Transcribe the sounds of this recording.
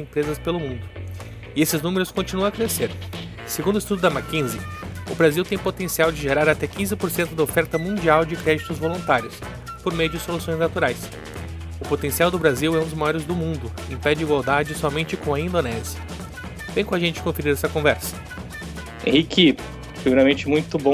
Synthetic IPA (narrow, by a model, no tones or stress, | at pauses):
ẽmpɾezɐspelʊmũnd̪ʊ | ɪesɪznũmeɾʊskõnt͡ʃinũɐ̃ɐkɾeseɾ | seɡũnd̪ʊist̪ud̪ʊd̪ɐmakĩzɪʊbɾaziwt̪ẽj̃pot̪ẽsiawd͡ʒɪʒeɾaɾat̪ɛkĩzɪpoɾsẽnt̪ʊd̪ɐofɛɾt̪ɐmũnd͡ʒiawd͡ʒɪkɾɛd͡ʒit̪ʊzvolũnt̪aɾjʊs | poɾmejʊd͡ʒɪsolusõj̃znat̪uɾajs | ʊpot̪ẽsiawd̪ʊbɾaziwɛũd̪ʊzmajɔɾɪzd̪ʊmũnd̪ʊ | ẽpɛd͡ʒɪiɡwawd̪ad͡ʒɪsɔmẽnt͡ʃɪkõɐĩd̪onɛzjiɐ | vẽj̃kõaʒẽnt͡ʃɪ̥kõfeɾiɾɛsɐkõvɛɾsɐ̥̃ | hiki | pɾimeɾamẽnt͡ʃɪmũj̃t̪ʊbõ